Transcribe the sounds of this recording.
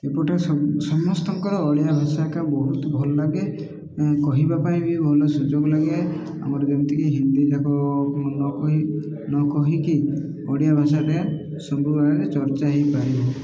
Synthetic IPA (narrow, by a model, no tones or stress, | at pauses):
epɔʈessɔmɔst̪ɔŋkɔɾɔːɽjabʱasakabɔɦut̪ɔbʱɔlɔlaɡe | kɔɦibapaĩbibʱɔlɔsud͡ʒoɡlaɡe | a̰mɔɾd͡ʒɔnt̪ʰikiɦind̪id͡ʒakʰɔnɔɔi | nɔkɔɦiki | ɔɽijabʱasaɾea | sɔmbɾubaɾet͡ʃɔɾt͡ʃaɦipaɾibɔ